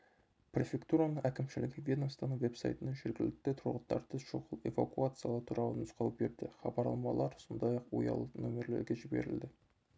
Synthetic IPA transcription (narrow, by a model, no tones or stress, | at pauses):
prʲe̞fʲe̞kt̪uɾanəɴʔækʲɪmʃɪlɪɡʲɪvʲjed̪omst̪ɑnəŋve̞psa̰jt̪ənɑʒeɾɡʲɪlɪk̚t̪et̪ʰʊɾʁət̪t̪ːɑ̰ɾt̪əʃoʁəlˠe̞̰vakuat̪sɨjalˠət̪ʰuɾʔɑlˠənʊsqɑwpbeɾd̪ɪχɑbɑɾlˠɑmɑlˠɑɾsond̪ɑjɑqwo̰jɑ̰lˠənomʲeɾle̞̰ɾɡʲe̞ʒɪbe̞̰ɾɪ̰ld̪ɪ